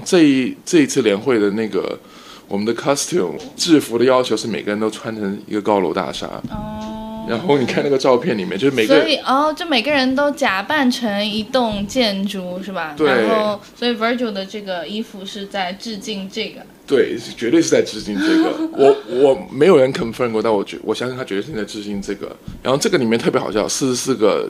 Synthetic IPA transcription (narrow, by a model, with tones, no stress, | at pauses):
ʈ͡ʂɤ˥˧i˧˥˩ʈ͡ʂɤ˥˧i˧˥t͡sʰɹ̩˥˩ljɛ˧˥nxwe˥˩ɪd̪ə˩na˥˩ɪɡə̰˩ | wɔ˨˩mə˦nd̪ə˧kʰɑ˥st̪ʰṵ˨˥˦mʈ͡ʂɻ̩˥˩fu˧˥ɾə˧jɑ˥ʊt͡ɕʰjo˧˥ʊʂɻ̩˥˩me˨ɪɡə˦ɻə˧˥nt̪o˥ʊʈ͡ʂʰwa˥nʈ͡ʂʰɤ˧˥ŋḭ˧˥ɡə˧kɑ˥ʊlo̰˧˥ʊt̪a̰˥˩ʂa̰˥˩ | ɻa̰˧˥nxo˥˩ʊni˨˩kʰa˥˧n˥˩ɡə˩˧ʈ͡ʂɑ˥˧ʊpʰjɛ˥˩nli˨˩mjt͡ɕo˥˧ʂ̩˥me˨˩ə˥˧˥i˨˩ɔ˥˧t͡ɕo˥˩me˨˩ɪɡə˦ɻə˧˥nt̪o˥ʊt͡ɕja˨˩pa˥˩nʈ͡ʂʰə˧˥ŋi˧˥t̪ʊ˥˧ŋt͡ɕjɛ˥˧nʈ͡ʂu˥ʂɻ̩˥˩bɐ˩ɻt̪we˧˥˩ɪnxo˥˩ʊswɔ˧˥i˨˩wə˞˧˥ʈ͡ʂju˨˩d̪ə˩˧ʈ͡ʂɤ˥˩ɡə˩i˥fu˧ʂɻ̩˥˧t͡sa˥˧ɪʈ͡ʂɻ̩˥˧t͡ɕi˥˧ŋʈ͡ʂɤ˥˩ɡə˩t̪we˥˩ɪ˥˩t͡ɕɥɛ˧˥t̪we˥˧ʂɻ̩˥˧˩t͡sa˥˧ɪʈ͡ʂɻ̩˥˧t͡ɕi˥˧ŋʈ͡ʂɤ˥˩ɡə̰˩wʔɔ˧˩˦wɔ˨˩me˧˥ɪjo˨˩ɻə˧˥nkʰə˨˩nfə˥˧˥kwt̪a˥˩wɔ˨˩t͡ɕwɔ˨˩ɕjɑ˥ŋkt̪ʰa˥t͡ɕɛ˧˥tt͡sa˥˧ʈ͡ʂɻ̩˥˧t͡ɕi˥˧ŋʈ͡ʂɤ˥˩ɡə̰˩˨a˧˥xo˥˧ʊʈ͡ʂɤ˥˩ɡə˩li˨˩mɛ˥nt̪ʰɤ˥˩jxɑ˨˩ʊɕjɑ˥˧˩sɹ̩˥˧ʂsɹ̩˥˩ɡə̰˩